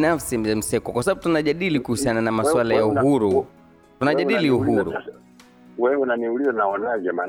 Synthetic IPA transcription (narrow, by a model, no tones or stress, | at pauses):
nafsimɛm̩sɛkɔkwasaɓaɓutunaʄaɗilikuhusiananamaswalajauhuɾu | tunaʄaɗiliuɦuɾṵ | wɛunaniuliɔnaɔnavjɛma